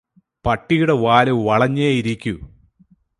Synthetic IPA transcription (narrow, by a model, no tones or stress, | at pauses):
pɐʈːijuɽeʋaːlɨʋɐɭɐɲːejiɾikʲːu